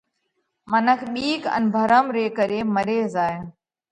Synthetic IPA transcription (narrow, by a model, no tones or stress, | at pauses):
mənəkʰɓiːkə̰nbʱəɾəmɾeːkəɾeːməɾeːzaːj